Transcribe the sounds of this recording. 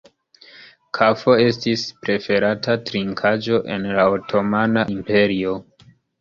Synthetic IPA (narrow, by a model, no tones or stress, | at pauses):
kʰafo̞e̞stispɾe̞fe̞ɾatʰatɾiŋkʰad͡ʒo̞ʔe̞̰nlaotʰo̞manaʔimpe̞ɾio̞